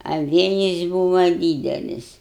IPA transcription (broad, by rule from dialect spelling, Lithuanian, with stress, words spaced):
ɐ ˈʋʲeːjɪs ˈbuːʋɐ ˈdʲiːdʲɛlʲɪs